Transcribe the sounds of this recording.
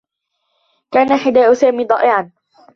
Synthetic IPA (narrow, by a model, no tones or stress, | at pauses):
kaːnaħɪd̪aːʔʊsaːmiːd̪ˤɑ̰ːʔɪʕan